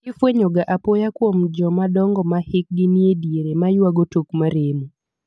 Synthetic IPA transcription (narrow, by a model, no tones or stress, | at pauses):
ɪfweɲoɡaʔapojakwomd͡ʒɔmadɔŋɡɔmahɪk̚ɡɪniedjeɾemajwaɡotokmaɾemu